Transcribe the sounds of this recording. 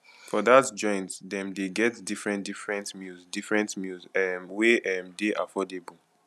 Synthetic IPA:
fɔdatd͡ʒɔ̃ɪ̃ntdɛ̃mdeɡɛtdifɹɛ̃ndifɹɛ̃ntmjuzdifɹɛ̃ntmjuzɛmweʔɛmdeʔa̰fɔdebu

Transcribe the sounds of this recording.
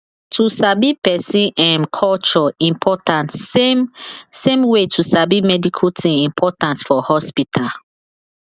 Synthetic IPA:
tʰusabipɛsĩnãnkʰɔlt͡ʃɔĩmpʰɔtãnt | sẽmwetʰusabimɛdikʰutʰĩĩmpʰɔtãntfɔhɔspitʰal

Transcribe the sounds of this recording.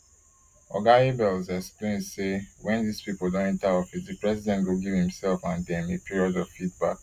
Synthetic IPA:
ɔ̰ɡaibɛɔzɛksplẽndsewɛ̃nðispipol̩dõnɛ̃ntaɔfisdipɹɛsidɛ̃ntɡoɡivhĩmsɛlfãndɛ̃mepiɹiɔdɔv̥fit̚ba̰k̚

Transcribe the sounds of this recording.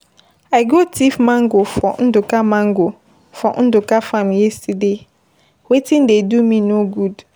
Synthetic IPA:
aɪɡotʰifmãŋɡofɔn̩dʊkamãŋɡo | fɔ̰n̩dʊkafãmjɛside | wetʰĩndedumĩnoɡud

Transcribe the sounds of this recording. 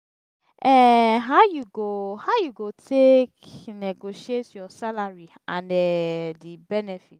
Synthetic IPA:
ɛɦaʊjuɡohaʊjuɡotʰekneɡoʃietjɔsalaɹi | ãndɛdibɛnɛfit

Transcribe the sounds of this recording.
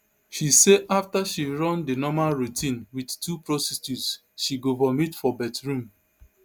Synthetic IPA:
ʃiseʔaftaʃiɹɔ̃ndinɔmalɹutʰĩnwidtupɹɔsɛsus | ʃiɡovamitfɔbɛtɹũm

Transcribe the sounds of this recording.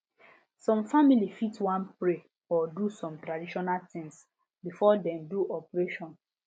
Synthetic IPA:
sɔ̃mfamilifitwãnpɹe | ɔdusɔ̃mtɾadiʃɔnalt̪ĩŋs | bifɔdɛ̃mduʔɔpɹeʃɔ̃n

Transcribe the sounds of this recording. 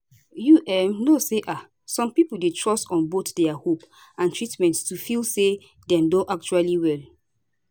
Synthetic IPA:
juʔɛ̃mnoseʔa | sɔ̃mpipuldetʰɹɔstɔ̃nbotdɛahop | ãntɹitmɛ̃ntstufilse | dɛ̃mdõʔak̚t͡ʃualiwɛl

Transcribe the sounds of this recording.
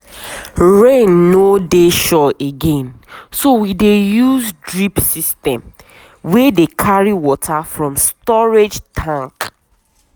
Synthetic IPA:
ɹẽnːodeʃɔeɡẽnsowidejuzdɹipsistɛ̃m | wɛdekʰaɹiwɔtʰafɹɔ̃mstɔɹed͡ʒtʰãŋk

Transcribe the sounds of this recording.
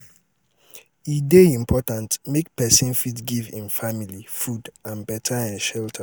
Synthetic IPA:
ideĩmpʰɔtãntmek̚pɛsĩnfitɡivḭ̃nfamilifudãnbɛtʰaãnʃɛltʰə

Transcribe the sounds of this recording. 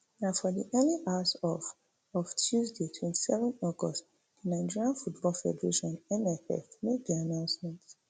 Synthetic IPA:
nafɔdiʔɛliʔawsɔf | ɔvtʰjuzdetʰwɛ̃nti̥sɛvɔ̃nɔɡɔst | d̥inãɪ̃d͡ʒiɹiãnfutbɔlfɛ̰dəɹeʃɔ̃nɛ̃nɛfɛ̰fmebianãʊ̃nsmɛ̃nt

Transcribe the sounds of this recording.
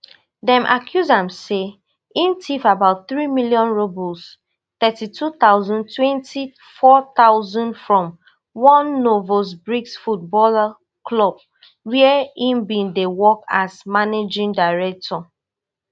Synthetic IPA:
dɛ̃mʔa̰kʰjuzãmse | ĩntʰifabaʊt̚θɹimiljɔ̃nɹobɔs | t̪ɛtitʰut̪aʊzɔ̃ntwɛ̃ntʰi | fɔt̪aʊzɔ̃ndfɹɔ̃m | wɔ̃nːovos̬bɹiksfut̚bɔla | klɔb̚ | wiɛĩnbĩndewɔkasmaned͡ʒĩŋdaɪɹɛk̚tʰɔ

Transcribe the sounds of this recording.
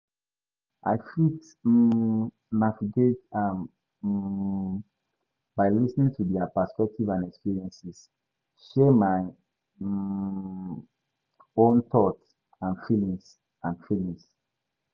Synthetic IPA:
ʔa̰jfit | naviɡetãm | b̥aɪlisnĩŋtʰudɛapəspɛk̚tivãnɛkspiɹiɛ̃nsis | ʃɛmaɪ | õntɔt | ãnfilĩŋs | ãnfilĩŋs

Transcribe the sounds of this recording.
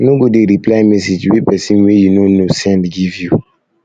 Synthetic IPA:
noɡodeɾiplaɪmɛsed͡ʒwipɛsĩnwejunonosɛ̃ndɡivju

